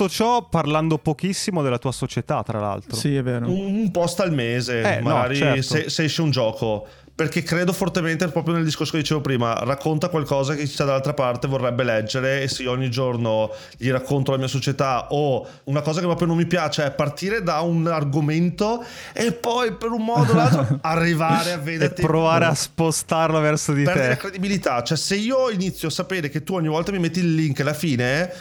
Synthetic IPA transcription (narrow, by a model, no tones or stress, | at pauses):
ot͡ʃɔparland̪opokisːimod̪elːat̪uːasot͡ʃet̪at̪ːɾala̰lt̪ɾosiɛveːɾouumpɔst̪almeːzeɛmːaɔɡaːɾit͡ʃɛseseɛʃːeund͡ʒɔːkʰo | perkekːɾeːd̪ofort̪ement̪epɾɔːpɾjoneld̪iskoɾrsoked̪it͡ʃeːvopɾiːma̰rakʰːont̪akwalkɔːzaket͡ʃt͡ʃad̪alalt̪ɾapart̪evorːɛbːelɛd͡ʒːeɾeːsːeioɔɲːid͡ʒorno | ʎiɾakʰːont̪olamiːasot͡ʃet̪ao | unakɔːzak̬epːɾɔːpjonomːipjaːt͡ʃeɛpːart̪iːɾed̪aunarɡoment̪oepːɔjpeɾummɔːd̪olalt̪ɾoarːivaaːɾeavːed̪ert̪ipːɾovaːɾeaspost̪arlovɛrsod̪itpɛɾdeeɾeakɾed̪ibilit̪at͡ʃoɛseiːoinit̪sːjoasːapeːɾeket̪ːuɔɲːivɔlt̪amimet̪ːiːlːiŋkalːafiːne